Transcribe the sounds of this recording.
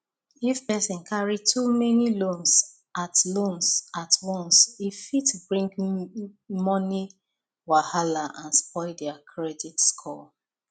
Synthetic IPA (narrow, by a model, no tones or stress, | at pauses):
ifpɛsɔ̃nkʰaɹitʰumɛnilõns | atlõnsatwɔ̃nsifitbɹĩŋk | mɔni | wahalaʔãnspɔɪdɛakʰɹɛditskʰɔ